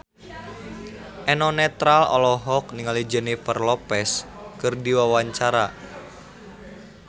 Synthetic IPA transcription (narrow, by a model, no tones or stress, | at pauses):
ʔɛnɔnɛt̪ɾalɔ̰lɔɦɔk̚niŋalid͡ʒənifərlɔpɛskɨrdiwawaɲt͡ʃaɾa